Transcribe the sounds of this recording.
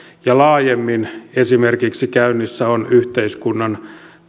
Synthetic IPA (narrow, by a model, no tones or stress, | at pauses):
jɑlɑːjemːinesimerkiksikæynːisːæonyht̪eiskunːɑn